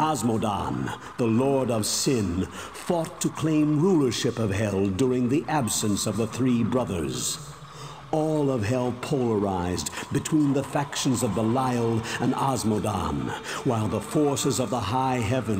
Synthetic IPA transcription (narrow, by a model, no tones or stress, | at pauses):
ɑzmodɑ̰̃n | ðəlɔɹɾʌv̥sɪ̃n | fɔtʰɨkʰl̥ẽɪ̃mɹulˠə˞ʃɪpʌv̥ɦɛlˠdʊɹɪ̃ŋðiʔæbsɨ̃nsʌvðəθɹibɹʌðə̰˞z̥ | ɔlˠʌv̥ɦɛlˠpʰoʊlˠə˞aɪzbɨtʰw̥ĩnðəfækʃɨ̃n̩zʌvðəlaɪl̩ˠɨ̃nɑzmoʊdɑ̰̃nwaɪlˠðəfɔɹsɨzʌvðəɦaɪɦɛvɨ̃n